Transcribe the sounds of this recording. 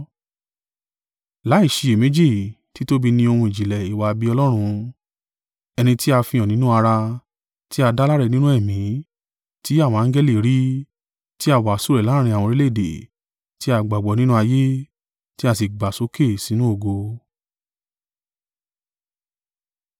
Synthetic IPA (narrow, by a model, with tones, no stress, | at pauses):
la˨˦i˦˨ʃi˧e˨me˨˦d͡ʒi˦˨ | ti˨˦to˦bi˧nĩ˧o˧hũ˧i˨d͡ʒi˨lɛ˨i˨wa˧bi˧˦ɔ˧lɔ˦ɾ̃ũ˧ | ɛ˧nĩ˧ti˦a˧fĩ˧ɔ̃˨nĩ˦nũ˦a˧ɾa˧ | ti˦a˧da˦la˦ɾɛ˦˧nĩ˦nũ˦ɛ˦˨mĩ˨˦ | ti˦a˦˨wɔ̃˧ã˧˦ɡɛ˦li˦˨ɾi˦ | ti˦a˧˨wa˨su˦˨ɾɛ˨lã˦ĩ˧a˨wɔ̃˧ɾi˦le˦˨dḛ˨ | ti˦a˧ɡ͡ba˨ɡ͡bɔ˨nĩ˦nũ˦a˧je˦ | ti˦a˧˨s̬i˨ɡ͡ba˨so˨˦ke˦˨si˨˦nũ˦o˧˨ɡo˧